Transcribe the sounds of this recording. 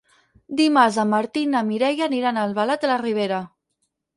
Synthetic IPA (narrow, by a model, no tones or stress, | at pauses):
d̪imaɾzamaɾt̪inamiɾɛjaniɾanalβalat̪əlariβ̞eɾa